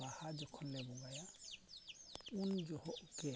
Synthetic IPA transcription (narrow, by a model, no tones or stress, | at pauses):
ahad͡ʒɔkʰɔnːɛbuŋɡaja | und͡ʒɔhɔkɛ